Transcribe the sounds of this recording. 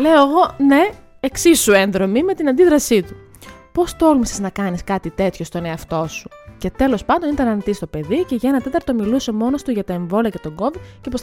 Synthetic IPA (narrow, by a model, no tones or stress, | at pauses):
le̞o̞eɣo̞ne̞ | eksisːue̞nðɾo̞mime̞t̪inɐnd̪iðɾɐsit̪u | po̞st̪o̞lmiseznɐkɐniskɐt̪it̪e̞t̪ço̞st̪o̞ne̞ɐft̪o̞su̥ce̞t̪e̞lo̞spɐnd̪o̞nit̪ɐnɐnit̪ist̪o̞pe̞ðice̞ʝɐenɐt̪e̞t̪ɐɾt̪o̞miluse̞mo̞no̞st̪uʝɐt̪ɐe̞ɱvo̞liɐce̞t̪o̞ɡo̞vidcepo